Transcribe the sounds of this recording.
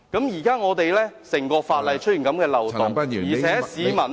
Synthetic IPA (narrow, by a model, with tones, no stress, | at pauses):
kɐ˨˥mjiː˨˩kaː˥ŋɔː˨˧t̪e˨jlɛː˥sɪ˨˩ŋkɔː˧faː˧t̚lɐ˨jt͡ʃʰɵ˥t̚y˨nkɐ˨˥mkɛː˧lɐ˨wt̪ʊ˨ŋ˨jiː˨˩t͡sʰɛː˨˥siː˨˧mɐ˨˩n